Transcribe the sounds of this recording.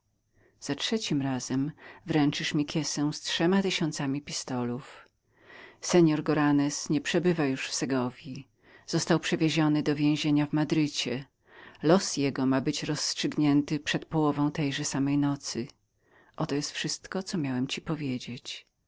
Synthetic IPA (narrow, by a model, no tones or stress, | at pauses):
z̥atʂɛt͡ɕimɾazɛmvɾɛnt͡ʂɘʂmʲikʲjɛsɛw̃stʂɛmat̪ɘɕɔnt̪samʲipʲist̪ɔluf | sɛɲɔɾɡɔɾanɛsɲɛpʂɛbɘvajuʂfsɛɡɔvʲji | z̥ɔst̪awpʂɛvʲjeʑɔnɘd̪ɔvʲjẽw̃ʑeɲavmad̪ɾɘt͡ɕɛ | lɔsjɛɡɔmabɘt͡ɕɾɔsːtʂɘɡɲɛnt̪ɘpʂɛt̪pɔwɔvɔ̃w̃t̪ɛjʐɛsamɛjnɔt̪sɘ | ʔɔt̪ɔjɛst̪fʂɘst̪kɔt̪sɔmʲjawɛmt͡ɕipɔvʲjed͡ʑet͡ɕ